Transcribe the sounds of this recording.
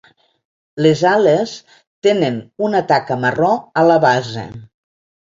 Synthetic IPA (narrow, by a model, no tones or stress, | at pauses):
lezales | t̪enənunat̪akəmərɔələβazḛ